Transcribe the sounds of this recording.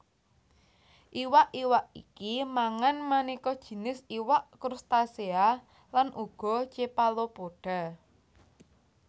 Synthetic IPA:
ʔiwaʔiwaʔḭkimaŋanmanikɔd̥ʒ̥i̤nɪsiwaʔkɾust̪asea | lanʔuɡ̥ɔ̤t͡ʃepalopoɖ̥a̤

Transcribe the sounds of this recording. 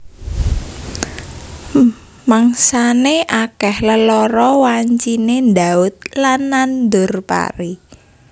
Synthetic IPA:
maŋsaneʔakɛhləlɔɾɔwaɲt͡ʃinend̪aʊt̪̚lanːand̪ʊrpa̰ɾi

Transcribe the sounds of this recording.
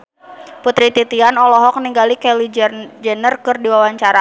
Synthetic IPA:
put̪ɾit̪it̪ianɔlɔɦɔk̚niŋɡalikɛlid͡ʒd͡ʒɛnərkɨrdiwawaɲt͡ʃaɾa

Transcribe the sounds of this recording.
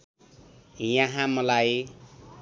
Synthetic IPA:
jʌɦãmʌlaj

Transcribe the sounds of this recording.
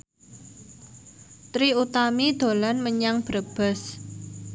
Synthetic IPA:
t̪ɾiut̪amid̪̥o̤lanməɲaŋb̥ɾəb̥ə̤s

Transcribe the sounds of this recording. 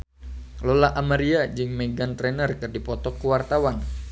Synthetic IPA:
lolaʔamaɾiad͡ʒɨŋmɛɡant̪ɾɛnərkɨrdipɔt̪ɔkːuwart̪awan

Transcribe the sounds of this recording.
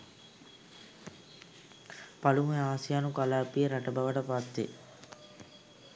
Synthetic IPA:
pɐlumeaːsijaːnukɐlaːpiɾɐʈɐbɐʋɐʈɐpat̪ːḛ

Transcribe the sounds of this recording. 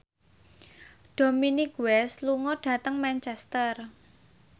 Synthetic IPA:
ɖ̥o̤minikwɛsluŋɔɖ̥ä̤t̪əŋmɛnt͡ʃɛst̪ər

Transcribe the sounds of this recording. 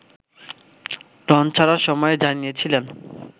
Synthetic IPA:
ɾɔnt͡ɕʰaɾaɾʃɔmɔed͡ʑanijet͡ɕʰilen

